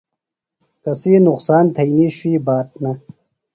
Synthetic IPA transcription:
kɐsiːnuqsaːnt̪ʰɐiniɕwiːbaːt̪̚nɐ

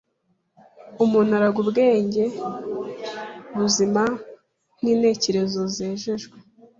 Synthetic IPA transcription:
umun̥aɾaɡubɡe̞ːɲɟe̞ | βuzima | n̥iːne̞ːce̞ɾe̞zozeːʒeʒɡwe

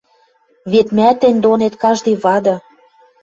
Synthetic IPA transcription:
βet̪mæt̪ɘ̆nʲd̪onet̪kɑʒd̪ɤjβɑd̪ɤ̆

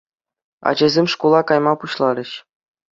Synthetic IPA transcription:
ɑ̰d͡ʑɘ̆zʲemʲʂkulˠɑkɑjmɑpuɕlˠɑɾʲɘ̆ɕ

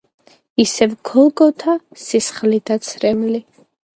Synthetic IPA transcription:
isɛvɡʰɔlˠɡɔt̪ʰasisχlid̪at̪sʰɾɛmli

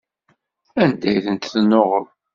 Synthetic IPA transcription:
ænd̪æjθənt̪θənːoʁəɾ

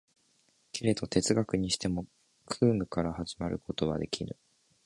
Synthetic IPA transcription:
kʲʰeɾe̞t̪o̞t̪e̞t͡sɨɡakɯ̟ɲ̟iɕi̥t̪e̞mo̞ | kʰɯːmɯ̟kaɾahaʑimaɾɯ̟ko̞t̪o̞βa̰d̪e̞kʲʰiɾɯ̟̰

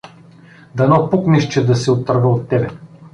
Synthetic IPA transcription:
d̪ɐnɔpukniʃt͡ʃɛd̪ɐsɛot̪əɾvəot̪ːɛbɛ

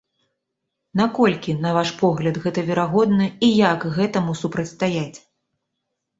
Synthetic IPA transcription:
nakɔlʲkʲinɐvaʂpɔɣlʲɐd̪ɣɛt̪ɐvʲɛɾaɣɔd̪nɐijakɣɛt̪ɐmusupɾɐt̪st̪ajat͡sʲ

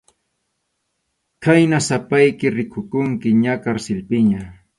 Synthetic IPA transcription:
kajnasapajkɪɾɪkʰʊkʊŋkɪɲakaɾsɪlpɪɲa

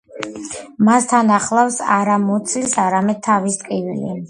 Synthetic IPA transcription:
mast̪ʰanaχlˠafsaɾamɔt̪sʰlisaɾamɛd̪̥̚t̪ʰavist̪ʼkʼivilḭ

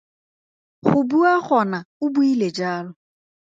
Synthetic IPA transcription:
ɣʊbuaɣɔnaʊbuiled͡ʒaːlʊ

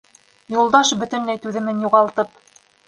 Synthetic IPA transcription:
julˠd̪ɑʃbɵ̆t̪ɵ̆nlæjt̪ʉðɘ̆mɘnjuʁɑlˠt̪ɤp

